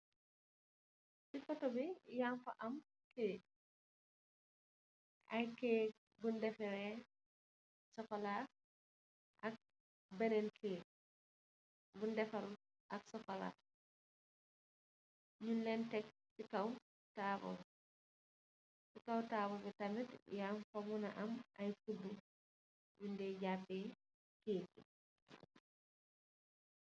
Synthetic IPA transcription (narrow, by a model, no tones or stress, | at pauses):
sifɐtɔbijanfɐʔɐm | kɛː | ʔɐjkɛː | bundɛfɛɾɛ | sɔfɐla | ʔɐk̚ | bɐnɛnkʰɛː | bundɛfɐl | ʔɐksɔfɐla̰ | ɲunlɛntɛk̚ | fikɐw | taːbɔ̰bɛ | fikɐwtaːbɔbɛtɐmitjamfɐmunɐʔɐmɐjfubu | jundɛːɟaːpɛː | keːkḭ